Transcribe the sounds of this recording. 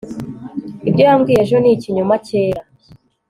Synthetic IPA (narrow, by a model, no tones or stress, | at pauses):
ibɟajamɡiːjeʒoniciɲumaceːja